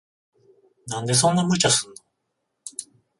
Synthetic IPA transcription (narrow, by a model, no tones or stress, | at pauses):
nãnd̪e̞s̬õ̞nːamɯ̟t͡ɕasɨ̃nːo